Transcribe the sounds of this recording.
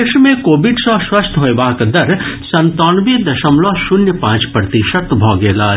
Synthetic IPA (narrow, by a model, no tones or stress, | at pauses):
kʃmẽkoːbɪɖsɔ̃ʃwɐst̪ʰɦoebaːkd̪ɐɾsɐ̃nt̪ɔːnʋid̪ɐʃəmlɔːʃʊnjəpãːt͡ʃpɾɐt̪iʃət̪bʱɔːɡeːlaː